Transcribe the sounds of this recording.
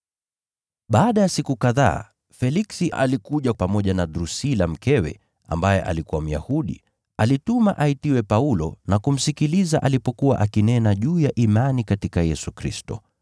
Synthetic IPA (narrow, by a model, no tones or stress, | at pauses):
ɓaːɗajasikukaða̰ː | fɛliksiʔa̰likuʄapamɔʄanadɾusilam̩kɛwɛ̰ | a̰mbajɛ̰ʔa̰likuwam̩ja̰huɗḭ | alitumaʔaitiwɛpaulɔ̰nakum̩sikilizaʔalipɔkuwa̰ʔakinɛnaʄuːjaʔimanikatikajɛsukɾḭstɔ̰